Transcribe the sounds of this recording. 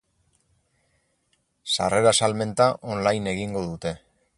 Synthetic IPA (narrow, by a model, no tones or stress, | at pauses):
sa̰re̞ɾasalme̞nt̪aʔo̞nlajne̞ɣiŋɡo̞ðut̪e̞